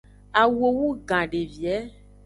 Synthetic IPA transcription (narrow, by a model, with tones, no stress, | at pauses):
a˨wo˨wu˦ɡã˨ɖe˨vi˨ɛ˨˦